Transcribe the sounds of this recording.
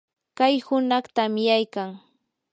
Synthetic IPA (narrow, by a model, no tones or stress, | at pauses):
kajhʊnɑχt̪amjajkaŋ